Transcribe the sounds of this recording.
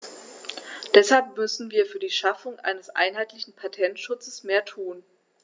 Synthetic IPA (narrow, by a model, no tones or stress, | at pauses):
d̥ɛshalpmʏsn̩viːɐfyːɐdiːʃafʊŋʔa̰ɪnəsʔa̰ɪnɦaɪtlɪçn̩pʰatʰɛntʃʊt͡səsmeːɐtʰuːn